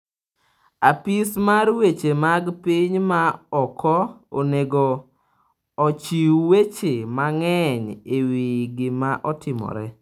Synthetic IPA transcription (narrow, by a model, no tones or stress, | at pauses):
apismarwet͡ʃemaɡpiɲmaɔkʰɔoneɡɔ | t͡ʃiwwet͡ʃemaŋɛɲewiɡɪmaʔɔtɪmɔ̰ɾɛ